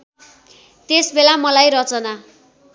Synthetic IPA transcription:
t̪esbelamʌlajrʌt͡sʌna

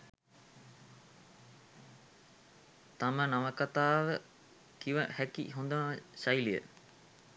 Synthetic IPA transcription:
t̪amənaʋəkat̪aːʋə | kiʋəhækḭɦond̪ənʋəɕajlijə̰

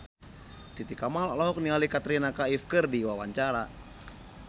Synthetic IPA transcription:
t̪it̪ikamalɔlaɦɔk̚nialikat̪ɾinakaifkərdiwawaɲt͡ʃaɾa

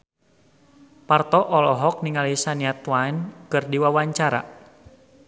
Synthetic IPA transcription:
part̪ɔʔɔlɔɦɔk̚niŋalisaniat̪wajnkɨrdiwawaɲt͡ʃaɾa̰

